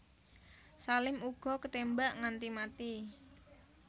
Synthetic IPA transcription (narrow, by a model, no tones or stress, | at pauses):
salɪmuɡ̥ɔ̤kət̪embaʔŋant̪imat̪i